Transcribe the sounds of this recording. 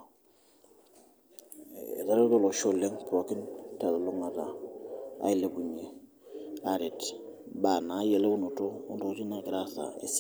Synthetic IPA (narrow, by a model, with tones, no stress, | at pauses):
ta˦ɾe˦do˦lo˨ʃo˦le˦ŋpɾo˨ki˦nta˨da˨lo˦ŋa˨ta˨a̰˦i˨le˨bu˨ɲe˨ | a˨ɾi˨t | ba˨na˨˦je˨le˦u˦nu˨to˦u˦ndo˨˦ti˦na˨ɡɾa˦sa̰˨ḛ˨s